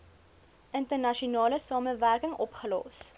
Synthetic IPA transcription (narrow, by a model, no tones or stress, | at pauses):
ʔəntərnɐʃiunɑːləsɑːməværkəŋɔpχəlɑ̰ːs